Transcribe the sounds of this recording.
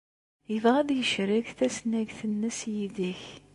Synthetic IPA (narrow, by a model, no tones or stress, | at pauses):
jəvʁæðjəʃɾiʝθæsnæʝθənːəsjiðiç